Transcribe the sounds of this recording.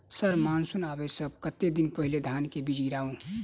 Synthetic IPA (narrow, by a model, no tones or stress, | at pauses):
səɾmansunaːbesəb̚kət̪ːed̪inpəɦiled̪ʱankebid͡ʒʱiɾaːũ